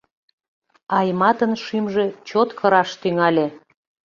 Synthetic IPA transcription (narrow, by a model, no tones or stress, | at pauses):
ɑjmɑt̪ənʃimʒet͡ɕot̪kʰəɾɑʃt̪yŋɑlʲe